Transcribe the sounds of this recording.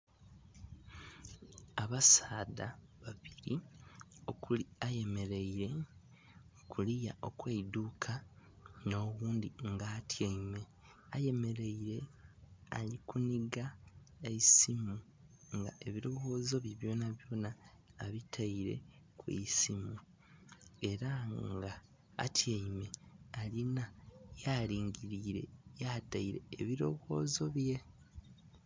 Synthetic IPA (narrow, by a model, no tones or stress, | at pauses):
aβasaːdaβaβiɾi | okuaje̞me̞ɾe̞iɾe̞ | kulija̰ʔo̞̰kweidukʰa | no̞ːβuːndiŋɡaːtʰjeime | aje̞me̞ɾe̞iɾe̞ | a̰likuniɡa | eisimu | ŋɡa̰e̞βiɾo̞ɣo̞ːzo̞βjeβjo̞ːnaβjo̞ːnaː | βitʰaiɾe̞̰kwḭisimu | e̞ɾaŋɡa̰ː | tʰjeime̞alinajaliːŋɡiɾiːɾe̞jataiɾe̞̰ːβiɾo̞ɣo̞ːzo̞βje̞